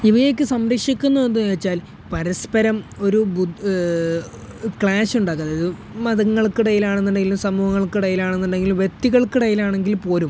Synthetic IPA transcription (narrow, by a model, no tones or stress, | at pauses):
iʋɐje̞ːk̬ʲːɨsɐmɾɐkʂikʲːunːuðe̞ndːueːt͡ɕːaːl | pɐɾɐspɐɾɐmo̞ɾubu | kɭaːsuɳɖaːkːunðɐiðɨ | mɐðɐŋːɐɭkɨɽɐjilaːɳenːuɳɖeɡilumsɐmuːhɐŋːɐɭkɨɽɐjilaːɳenːuɳɖe̞ŋɡilumʋje̞t̪ːiɣɐɭkɨɽɐjilaːɳe̞ŋɡilmpo̞ːlum